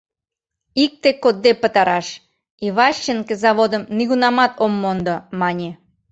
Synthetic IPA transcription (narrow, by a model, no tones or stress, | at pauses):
ik̚t̪ekod̪ːepət̪ɑɾɑʃ | iβɑʃːenkezɑβod̪əmniɣunɑmɑt̪omːond̪omɑnʲe